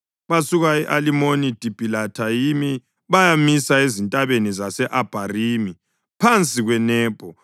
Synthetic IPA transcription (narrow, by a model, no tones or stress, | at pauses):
βasuɣaɛʔalimonid̥ʱib̥ʱilatʰajimi | βajamisaezintʼaβenizasɛʔab̥ʱariːmi | pʰant͡sʼiɣwɛnɛːb̥ʱɔ